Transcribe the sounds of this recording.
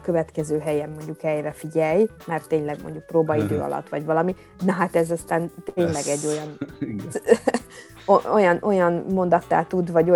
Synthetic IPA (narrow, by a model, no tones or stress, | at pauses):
køvɛt̪kɛzøːɦɛjɛmːo̞ɲɟukhɛjrɛfiɟɛjmɛrt̪ːeːɲlɛɡmoɲɟuk̚proːbɒid̪øːɒ̰lɒ̰t̪ːʋɒɟvɒlɒmi | nɒɦat̪ɛzɒst̪aːnt̪eːɲlɛɡɛɟːo̞jɒn | oojɒnʔo̞jɒnmo̞nd̪ɒt̪ːa̰ːlt̪ud̪vɒɟo